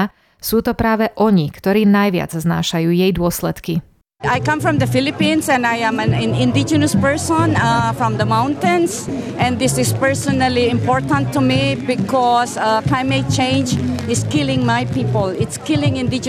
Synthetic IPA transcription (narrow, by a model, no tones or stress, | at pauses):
suːt̪ɔpɾaːʋɛʔɔɲikt̪ɔɾiːnajʋɪa̰d͡zzna̰ːʃajuːjɛjd̪ʊɔslɛt̪ki | ajkãmfɾɹɔ̃md̪əfɪlipĩnsɛ̃najɛ̃mɛ̃nɛ̃nɪ̃nd̪ɪd͡ʒɛnəspɛɹsɔ̃nafɹɔ̃md̪əmãʊ̃nt̪ɛ̃nsʔɛ̃nd̪ɪsɪspɛɹsɔnaliɪ̃mpɔɹt̪ãnt̪ːumibɪkʰɔsaklajmet̚t͡ʃẽnd͡ʒɪskɪlɪ̃ŋmajpipəlɪtskɪlɪ̃ŋɪ̃nd̪ɪd͡ʒ